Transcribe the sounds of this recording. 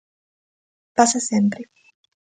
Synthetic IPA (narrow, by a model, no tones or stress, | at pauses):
pasasɛmpɾi